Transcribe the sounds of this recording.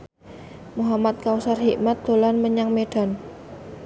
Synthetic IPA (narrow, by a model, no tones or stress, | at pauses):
muɦamat̪̚kausarhiʔmat̪̚d̪̥o̤lanməɲaŋmeɖ̥a̤n